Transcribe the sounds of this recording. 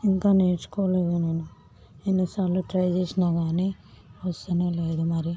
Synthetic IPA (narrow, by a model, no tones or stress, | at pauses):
iŋkaːneːt͡ʃu̥kɔːʋleːd̪inɐnu | enːisaːɾluʈɾɐjt͡ʃeːsinaːɡaːni | ʋɐst̪ɐneːleːd̪umɐɾi